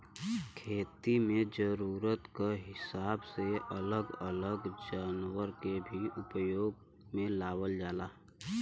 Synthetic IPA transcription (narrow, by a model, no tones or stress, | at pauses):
kʰeːt̪imẽd͡ʒəɾuːɾət̪kaɦɪsaːbseʔələɡə̰ləɡd͡ʒaːnwəɾkebʱiʔʊpjoːɡ | mẽlaːwəld͡ʒaːlaː